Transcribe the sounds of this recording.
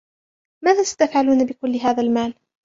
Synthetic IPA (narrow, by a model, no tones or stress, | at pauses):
maːðaːsḁt̪afʕaluːnabɪkʊlːɪɦaːðalmaːl